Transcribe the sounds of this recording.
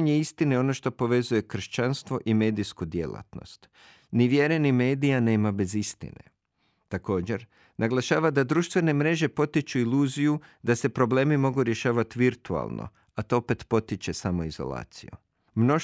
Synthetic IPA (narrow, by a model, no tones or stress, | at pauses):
ɲe̞ist̪ineo̞no̞ʃt̪o̞po̞ʋe̞zuje̞kr̩ʃt͡ɕanst̪ʋo̞ʔime̞ːd̪iskud̪je̞lˠa̰t̪no̞̰st̪ | niʋjeɾenime̞ːd̪ijane̞ːmabe̞zist̪ḭne̞̰ | t̪ako̞ːd͡ʑe̞ɾ | nʔaɡlˠaʃaːʋad̪ad̪ɾuʃt̪ʋe̞ne̞mɾe̞ʒe̞po̞t̪it͡ʃuiluːzijud̪ase̞pɾo̞ble̞ːmimo̞ɡuɾje̞ʃaːʋat̪iʋiɾt̪ua̰lˠno̰ | at̪oope̞t̪po̞t̪it͡ʃe̞samo̞izo̞̰lˠa̰ːt̪sḭjṵ | mno̞